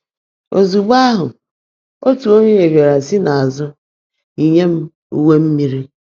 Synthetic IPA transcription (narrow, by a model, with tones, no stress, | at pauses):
o˨zu˨ɡ͡ba˦ɦʊ˨ | o˦tu˨o˦ɲe˦e˨bje˨ɾa˨sɪ˦na˨a˨zʊ˦ | i˨ɲe˦m̩˦ | u˦we˦m̩˦mi˦ɾi˦